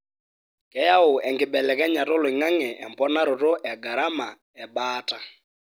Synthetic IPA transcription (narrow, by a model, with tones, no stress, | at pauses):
kɛ˨˦ja˦ʊ˨ɛ˨ŋɡɪ˨ɓɛ˨lɛ˨kɛ˦ɲa˨to˦lwɪ˨ŋa˦ŋɛ˨ʔɛ˨mpɔ˦na˦ɾo˨ɾo˦ʔɛ˨ɡa˨ɾa˦ma˨ | ɛ˨ɓaː˦ta˦